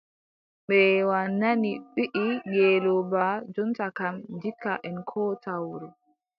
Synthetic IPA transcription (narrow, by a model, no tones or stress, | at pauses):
ɓɛwanːaniɓiʔiŋɡɛːlɔbad͡ʒɔntakamdikːa̰ʔɛnkʰɔːtawɾɔ